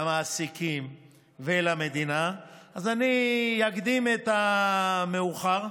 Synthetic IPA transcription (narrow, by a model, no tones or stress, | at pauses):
amaːsikim | velame̞d̪inaazanijaɡd̪imet̪ameuχaʁ